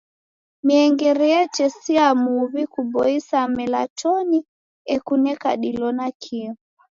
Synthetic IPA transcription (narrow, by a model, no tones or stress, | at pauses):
miɛŋɡɛɾɛɛt͡ʃɛsiamuβikubɔisamɛlat͡ʃɔni | ɛkunɛka̰ɗilɔnakʰiɔ